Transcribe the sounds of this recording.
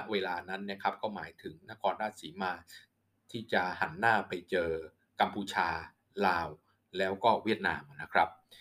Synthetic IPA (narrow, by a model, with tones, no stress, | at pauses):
a˦˥ʔweː˧laː˧na˦˥nːi˥˩ɐkʰɾa˦˥p̚kɔː˥˩maː˩˦jt̪ʰɯ˩˦ŋna˦˥kʰɔː˧nɾaː˥˩t̪̚siː˩˦maː˧ | t̪ʰiː˥˩t͡ɕa˨˩ha˩˦nːaː˥˩pa˧jt͡ɕɤː˧ | ka˧mpʰuː˧t͡ɕʰaː˧ | laː˧w | lɛː˦˥wkɔː˥˩wi˥˩ət̪̚naː˧mʔna˦˥kʰɾa˦˥p̚